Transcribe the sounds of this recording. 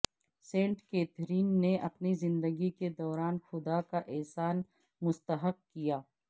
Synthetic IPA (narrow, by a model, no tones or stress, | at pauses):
sẽːɳʈkeːt̪ʰɾiːnːeʔɐpnizɪ̃nd̪əɡiked̪ɔːɾaːnxʊd̪akaʔɛɦsaːn | mʊst̪əɦəq̚kijaː